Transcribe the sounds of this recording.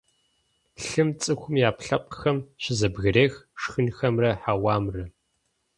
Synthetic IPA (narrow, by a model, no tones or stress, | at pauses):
ɬɨmt͡sʼɨxʷʊmjaːpɬɐp̚ʼqxɐmɕɪzɐbɣɨreːxʂxɨnxɐmrɐħaːwaːmrɨ